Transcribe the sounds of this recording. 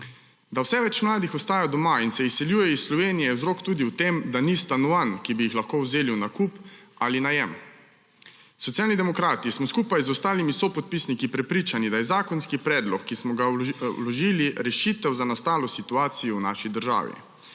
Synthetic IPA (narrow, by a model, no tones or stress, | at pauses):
d̪awsɛʋɛt͡ʃmlaːd̪ixɔst̪aːjad̪ɔmainsɛisːɛljuːjɛisːlɔʋeːnijɛɛwzɾoːkt̪uːd̪iwt̪emd̪anist̪anɔʋankibijixlaxkowzeːliwnakupalinajɛm | sɔt̪ijaːlnid̪ɛmɔkɾaːt̪ismɔskuːpajzɔst̪aːlimisopɔt̪̚piːsnikipɾɛpɾiːt͡ʃanid̪ajɛzaːkɔnskipɾɛːd̪lɔkːismɔɡawlɔʒiliɾɛʃit̪ɛwzanast̪aːlɔsit̪uaːt̪sijɔwna̰ːʃid̪əɾʒa̰ːʋḭ